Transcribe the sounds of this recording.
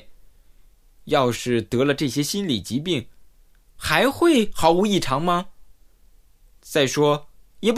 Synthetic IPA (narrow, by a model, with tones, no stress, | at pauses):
jɑ˥˧ʊʂɻ̩˥˩t̪ɤ˧˥lə˧ʈ͡ʂɤ˥˩ɕjɛ˥ɕi˥nli˨˩t͡ɕi˧˥p̬i˥˩ŋ | xa˧˥ɪxwe˥˩ɪxɑ˧˥ʊu˧˥i˥˩ʈ͡ʂʰɑ˧˥ŋmɐ˧ | t͡sa˥˩ɪʂwɔ˥jɛ˨˩p